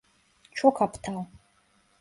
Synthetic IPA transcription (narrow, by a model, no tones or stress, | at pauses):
t͡ʃʰokʰapʰtʰal